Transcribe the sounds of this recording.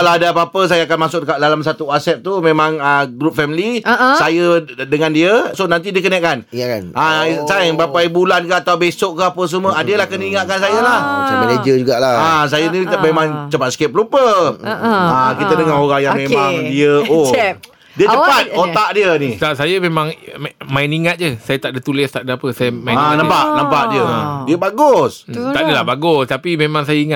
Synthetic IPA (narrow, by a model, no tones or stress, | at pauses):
laɦadaapapəs̬ajaakanmasʊk̚əkadalamsat̪uasɛt̪̚t̪umẽmãŋəɡɾup̚fɛmilisajədəŋandiəsonant̪̬idiəkənakːanʔasajŋbapajbulankaat̪awbesoʔkəapəs̬əmuəadəlahkənəiŋaʔ̪̚kansajəlahsaməned͡ʒəd͡ʒuɡaʔlaas̬ajənimẽmãŋt͡ʃəpat̪̚sə̥kɛp̚ɾupə | akit̪ədəŋaɦoɾaŋjaŋmemaŋdiəo | diət͡ʃəpat̪̚ot̪aʔdiənitasajəmemãŋmainiŋat̪̚d͡ʒəsajat̪aʔdət̪ulɪst̪aʔdəapəsajəmaanə̃mpaʔnəmpaʔdiəadiəbaɡʊst̪aʔdəlahbaɡʊst̪apimemãŋs̬ajəiŋa